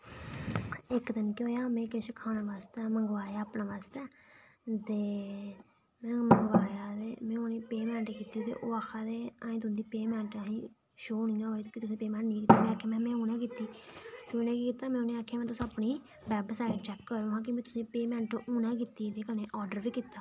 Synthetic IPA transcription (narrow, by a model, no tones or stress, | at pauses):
ɪkd̪ɪnkeɦoːjaːmɛ̃ːkeʃəkʰaːñãːʋaːst̪ɛːməŋɡʋaːjaːpnãːʋaːst̪ɛː | t̪eː | mɛ̃ːməŋɡʋaːjaːd̪eːmɛ̃ːoːnẽːpeːmɛ̃ːɳʈkiːt̪iːt̪ḛːʔoːaːkʰːaːd̪eːaːĩːt̪ʊsd̪iːpeːmɛ̃ːɳʈaĩː | ʃoːnĩːãːoːiːt̪ːkɪt̪ʊsːipeːmɛ̃ːɳʈnĩːkiːt̪ːaːmɛ̃ːaːkʰːjaːmɛ̃ːmɛ̃ːũːnɛ̃ːk̬iːt̪iːkinɛ̃ːkikiːt̪aːmɛ̃ːoːnẽːaːkʰːjaːmɛ̃ːt̪ʊsapniː | bɛːbsaːɪʈt͡ʃɛːkːəɾõːɦãːk̬ɪmɛ̃ːt̪ʊ̥sĩːpeːmɛ̃ːɳʈʔuːnɛ̃ːk̬it̪iːt̪eːkəneːʔɔːɾɖəɾʋiːkiːt̪ːaː